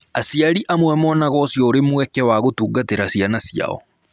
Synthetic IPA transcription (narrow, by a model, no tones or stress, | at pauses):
asiaɾiʔamwɛmɔnaɣɔsjɔoɾemwɛkɛwaɣotuːɡateɾasianasja̰ɔ̰